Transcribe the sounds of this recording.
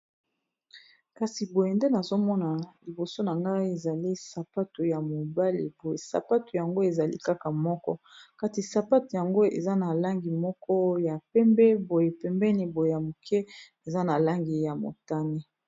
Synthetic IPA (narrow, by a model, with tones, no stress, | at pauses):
ka˨si˨bo˨je˨nde˦na˨zo˦mɔ˦na˨li˨bo˨so˦na˨ŋɡa˦i˦e˨za˨li˦sa˨pa˦to˨ja˨mo˨ba˦lḭ˨bo˨je˨sa̰˨pa˦to˨ja˨ŋɡo˦e˨za˨lḭ˦ka˦ka˨mɔ˦kɔ˦ka˦ti˨sa˨pa˦to˨ja˨ŋɡo˦ḛ˨za˦na˨la˦ŋɡi˨mɔ˦kɔ˦ja˨pɛ˦mbɛ˦bo˨je˨pɛ˨mbɛ˦ni˦bo˨je˨ja˨mo˨kʰɛ˦ | e˨za˦na˨la˦ŋɡi˨ja˨mo̰˨ta˦ni˦